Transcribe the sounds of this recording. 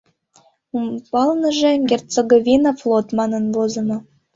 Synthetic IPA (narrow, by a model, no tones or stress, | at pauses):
umbɑlnəʒĕɡʲert͡seɡovʲinɑflˠot̪mɑnənvozɤ̆no